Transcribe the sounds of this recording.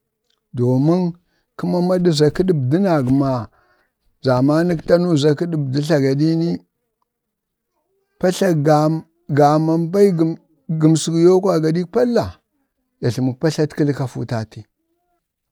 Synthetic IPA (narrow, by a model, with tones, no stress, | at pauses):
do˨ma˦n | ki˦ma˦ma˦di˦za˨ki˦di˦˨bdi˦na˨ɡma˨ | za˨ma˦ni˦kta˦nu˦za˨ki˦ɗi˨bdi˦ɬa˨ɡa˨di˦ni˦ | pa˦ɬa˦ɡa˨ | ɡa˨ma˨mba˦i˦ɡ | ɡu˨msi˨ɡjo˦kʷa˨ɡa˨ɗi˦kpa˦lːa˨ | ja˨ɬi˨mu˨k̚pa˦ɬa˦tki˦lka˨fṵ˦ta˨ti˦